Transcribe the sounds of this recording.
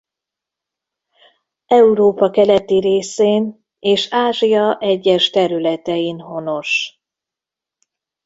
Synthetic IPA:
ɛuɾoːpɒkɛlɛt̪iɾeːseːn | eːʃaːʒijɒʔɛɟːɛʃt̪ɛɾylɛt̪ɛjinho̞no̞ʃ

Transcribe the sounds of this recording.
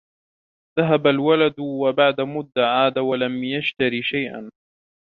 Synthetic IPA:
ðaɦabalwalad̪wabaʕd̪amʊd̪ːaʕaːd̪awalamjaʃt̪aɾiːʃajʔa̰n

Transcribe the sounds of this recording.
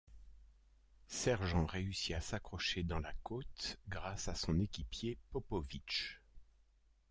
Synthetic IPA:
sɛʁʒɑ̃ʁeysiasakχɔʃed̪ɑ̃lakot̪ɡʁasasɔ̃nekʲipjepɔpɔvit͡ʃ

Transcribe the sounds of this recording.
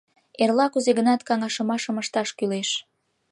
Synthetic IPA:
erlɑkuzeɣənɑt̪kɑŋɑʃəmɑʃəməʃt̪ɑʃkyleʃ

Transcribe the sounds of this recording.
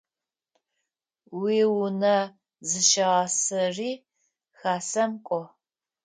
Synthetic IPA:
wiːwʊnɐ | zɨʃɐʁɐsɨriː | xaːsɐmkʷʼɔ

